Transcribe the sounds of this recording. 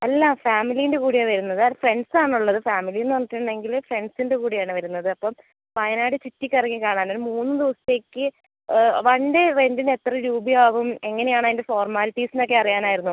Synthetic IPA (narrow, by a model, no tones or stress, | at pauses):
ɐlːɐfaːmilijinde̞kuːɽijeʋɐɾunːɐðɨafre̞ɳɖsaːɳuɭːɐðɨfaːmilijnːʋɐnːitːiʈːuɳɖe̞ŋɡilfre̞ɳɖsinde̞kuːɽijaːɳɨʋɐɾunːɐðɨɐpːom | pɐjɐnaːɽɨt͡ɕitːikʲːɐrɐŋːikaːɳaːnolmuːnːɨd̪iʋɐsɐ̥t̪ːe̞ːkʲːɨ | ʋɐɳɖerendine̞t̪ːrɐɾuːbijaːʋume̞ŋːɐne̞jaːɳaɐðindefo̞ːrmaːlpiːsino̞k̬ːeɐrijaːnaːjiɾunːu